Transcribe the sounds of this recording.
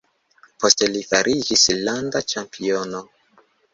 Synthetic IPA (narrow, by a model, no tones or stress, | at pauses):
po̞ste̞lifaɾʔid͡ʒislandat͡ʃampʰio̞no